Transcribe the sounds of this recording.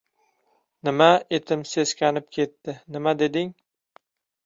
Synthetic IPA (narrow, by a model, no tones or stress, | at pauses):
nɪmaet̪ʰɪmse̞skʲanɪp̚kʲʰe̞t̪ːɪnɪmad̪e̞d̪ɪŋ